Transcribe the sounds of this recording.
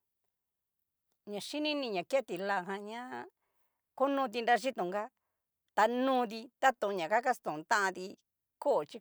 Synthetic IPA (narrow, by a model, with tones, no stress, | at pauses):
ɲã˨ʃi˦nĩ˦nĩ˧ɲã˨ke˦t̪i˨la˧˨ɦã˧ɲã˦ | ko˦nũ˧t̪̬i˧nɾa˧ʒi˦t̪ũ˨ŋɡa˦ | t̪a˧nũː˦˧ði˧t̪a˦t̪õ˧ɲã˨ka˦ka˦st̪õ˨t̪ã˦ʔã˧ði˧ | ko˦˨t͡ʃi˧